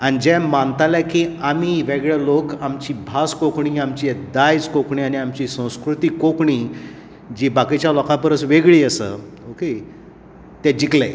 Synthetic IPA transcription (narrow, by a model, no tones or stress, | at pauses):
añid͡ʑɛmant̪alakiamiːʋeɡɭɛlokamt͡ɕiːbʱaskokɳiːamt͡ɕid̪ajd͡zkokɳiːañiamt͡ɕiːsə̃w̃skɾut̪iːkokɳiː | d͡ʑiːbakit͡ɕjalɔkapəɾəsʋeɡɭiːəsə̰ | oke | t̪ɛd͡ʑiklḛ